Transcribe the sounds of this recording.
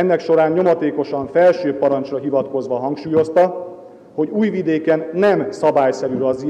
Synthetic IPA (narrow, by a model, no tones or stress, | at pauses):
ɛnːɛkʃo̞ɾaːɲɲo̞mɒt̪eːko̞ʃɒɱfɛlʃøːpɒɾɒnt͡ʃrɒɦivɒt̪ko̞zʋɒɦɒŋkʃuːjo̞st̪ɒ | ho̞ɟuːjvid̪eːkɛnːɛmsɒbaːjsɛɾyɾɒzi